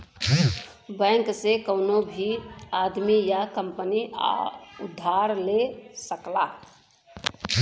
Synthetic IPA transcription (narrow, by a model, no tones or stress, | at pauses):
bɛ̃ːŋksekəʊnobʱiaːd̪mijakə̃mpənḭ | ʊd̪ʱːaːɾlesəklaː